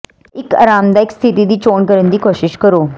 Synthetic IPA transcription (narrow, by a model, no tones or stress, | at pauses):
ɪka̰ːɾaːmd̪aːɪkst̪ʰɪt̪id̪iːt͡ʃoːɳkəɾənd̪iːkoːʃɪʃkəɾoː